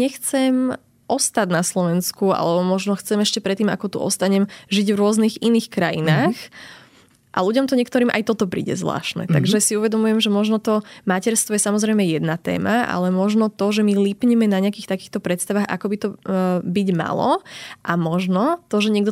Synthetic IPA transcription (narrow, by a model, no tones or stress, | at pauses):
ɲɛxt͡sɛm | ʔɔst̪ad̪naslɔʋɛnskua̰lɛbɔmɔʒnɔxt͡sɛmɛʃcɛpɾɛt̪ːiːma̰kɔt̪ṵʔɔ̰st̪aɲɛmʒiɟvɾʊɔzniɣiniːxkɾajḭnaːx | ʔa̰luɟɔmt̪ɔɲɛkt̪ɔɾiːmʔa̰jt̪ɔt̪ɔpɾḭːɟɛ̰zʋla̰ːʃnɛ̰t̪aɡʒɛsiuʋɛd̪ɔmujɛmʒɛmɔʒnɔt̪ɔmacɛɾst̪ʋɔjɛsamɔzɾɛjmɛjɛd̪nat̪ɛ̰ːmaa̰lɛmɔʒnɔt̪ɔʒɛmilipɲɛmɛnaɲɪakiːxt̪akiːxt̪ɔpɾɛt̪st̪aʋaːxa̰kɔbit̪ɔbiɟma̰lɔ̰ʔamɔʒnɔt̪ɔʒɛɲɪɛɡd̪ɔ